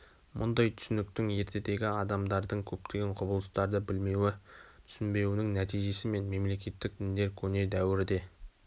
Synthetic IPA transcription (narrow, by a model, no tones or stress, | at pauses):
mʔʊ̰nd̪ɑjt̪ʰʏ̥sɪnɪk̚t̪ɪŋe̞ɾt̪ʰe̞d̪e̞ɡʲɪɑd̪ɑmd̪ɑɾd̪əɴkʲʰɵp̚t̪ʰe̞ɡʲe̞ɴqʰʊbəlˠəst̪ɑɾd̪əbɪlme̞wɪt̪ʰʏ̥sɪnbe̞wɪnɪŋnæt̪ijʒe̞sɪme̞nme̞mle̞kʲe̞t̪ːɪk̚d̪ɪnd̪e̞ɾkʲʰɵne̞d̪æwɪɾɪd̪e̞